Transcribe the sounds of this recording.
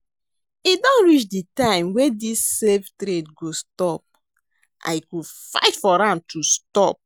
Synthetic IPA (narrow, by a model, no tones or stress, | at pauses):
idɔ̃nɹit͡ʃditãɪ̃mwedisːevtɾetɡostɔp̚ | ʔa̰ɪkufa̰ɪtfɔɾãnd̚tʰustɔp̚